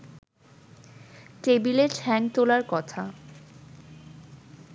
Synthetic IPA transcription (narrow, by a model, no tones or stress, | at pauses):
ʈebileʈʰɛŋt̪olaɾkɔt̪ʰa